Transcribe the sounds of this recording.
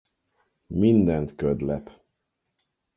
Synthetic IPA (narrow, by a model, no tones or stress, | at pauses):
mind̪ɛnt̪kød̪lɛp